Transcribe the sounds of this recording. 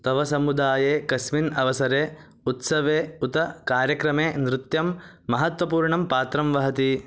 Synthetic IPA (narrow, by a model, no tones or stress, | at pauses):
t̪ɐʋɐsɐmud̪aːjeːkɐsminɐʋɐsɐɾeː | ut̪sɐʋeːut̪ɐkaːɾjɐkɾɐmeːnɾɪt̪jɐmː | ɐɦɐt̪ʋɐpuːɾɳɐmpaːt̪ɾɐmʋɐɦɐt̪i